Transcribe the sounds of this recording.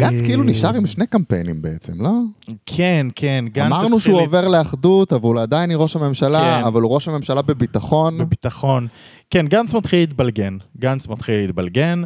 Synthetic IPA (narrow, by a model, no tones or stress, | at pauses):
ɡant͡skɛiluniʃaʁimʃnekampḛjnḭmbeet͡sḛmlo̞kʰenkʰenɡamaʁnuʃeuove̞ʁleaχd̪ut̪avulad̪ajniʁo̞ʃhame̞mʃalaːvaluʁo̞ʃhame̞mʃalabe̞bit̪aχo̞nbebit̪aχo̞n | kenɡant͡smat̪χilit̪balɡenɡant͡smat̪χileit̪balɡen